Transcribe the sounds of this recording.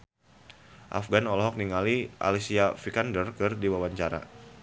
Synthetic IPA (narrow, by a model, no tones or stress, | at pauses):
ʔa̰fɡanɔlɔɦɔk̚niŋaliʔa̰lisiafikandərkɨrdiwawaɲt͡ʃaɾa̰